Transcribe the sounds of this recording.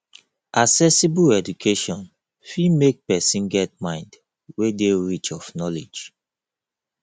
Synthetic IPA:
ʔasɛsibuɛd͡ʒukʰeʃɔ̃n | fimek̚pɛsĩnɡɛt̚mãɪ̃nd | wedeɹit͡ʃɔfnɔled͡ʒ

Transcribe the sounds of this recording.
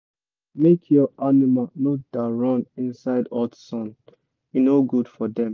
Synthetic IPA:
mekʰjɔʔanimalnod̥aɹɔ̃nĩnsaɪdɔdsɔ̃n | inoɡudfɔdɛ̃m

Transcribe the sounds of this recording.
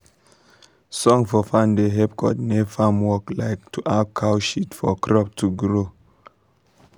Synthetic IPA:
sɔ̃ŋfɔfãndeɦɛp̚kʰɔ̰t̚nefamwɔklaɪk̚tʰuʔakʰaʊʃitfɔkʰɾɔp̚tʰuɡɾo

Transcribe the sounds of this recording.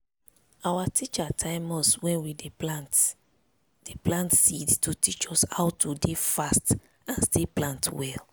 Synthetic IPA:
awatʰit͡ʃatʰãɪmɔswɛ̃nwideant | d̥eplãntsidtutit͡ʃɔshawtudefast | ãnsteplãntwɛl

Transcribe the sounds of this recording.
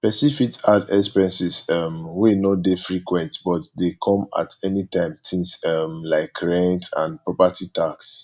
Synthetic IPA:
pɛsifitadɛkspɛ̃nsisɔmwinɔdefɹikwɛ̃ntbɔtdekʰɔ̃ma̰tɛnitʰãɪ̃msĩnsɔmlaɪkʰːɹɛ̃ntã̰npɹɔpatʰitaks

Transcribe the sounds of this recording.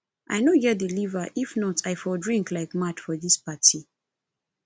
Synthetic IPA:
ʔa̰jnojɛdilivaʔifnɔtʰajfɔdɹĩŋklaɪkmat͡ʃfɔðispatʰi

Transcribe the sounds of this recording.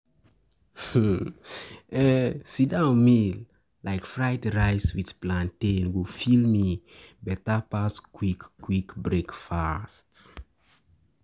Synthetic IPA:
ɛsidãʊnmil | laɪkfɹajtɹaɪswið̥plãntẽnɡofilmi | bɛtapaskwikːwikbɹekfast

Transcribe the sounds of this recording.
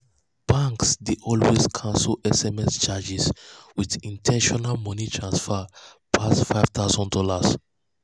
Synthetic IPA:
b̥ãŋksdeʔɔlweskʰãnsəlɛsɛmɛst͡ʃad͡ʒiswiðĩntʰɛ̃nʃɔnalmɔ̃nitʰɹãnsfɛpʰasfaɪv̥t̪ʰaʊzɔ̃ndɔlas

